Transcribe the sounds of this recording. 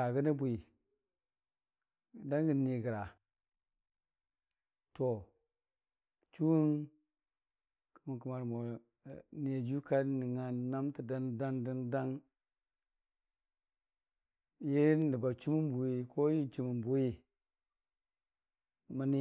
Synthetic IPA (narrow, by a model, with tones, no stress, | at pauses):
a˨ɡə˦ni˦bu˨i˨ | da˦ŋɡə˨ni˨ɡə˨ɾa˨ | to˨ | t͡ʃu˦wu˦n | ku˨mu˨ku˨ma˨ɾmo˨ | ne˨d͡ʒu˦ka˦ni˨ŋa˨na˦mti˨da˦nda˦ŋdi˦nda˦ŋ | ji˦ni˨ba˨t͡ʃu˦mu˦m˦bu˨ji˨kʰo˦ji˦t͡ʃu˨mu˨mbu˨ji˦ | ma˨ni˦